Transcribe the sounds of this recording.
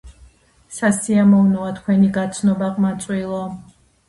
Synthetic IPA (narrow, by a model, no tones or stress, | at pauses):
sasiamɔvnɔat̪ʰkʰwɛniɡat̪sʰnɔbaqʼmat̪sʼwilˠɔ